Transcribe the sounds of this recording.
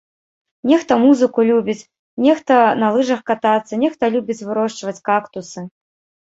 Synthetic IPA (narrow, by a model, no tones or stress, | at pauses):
nʲɛxt̪ɐmuzɨkulʲubʲit͡sʲ | nʲɛxt̪ɐnɐlˠɨʐɐxkat̪at̪sːɐnʲɛxt̪ɐlʲubʲit͡sʲvɨɾɔʂt͡ʂvɐt͡sʲkakt̪usɨ